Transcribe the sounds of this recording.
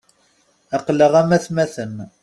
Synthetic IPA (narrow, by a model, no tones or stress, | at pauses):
ɑqləʁæmæθmæθən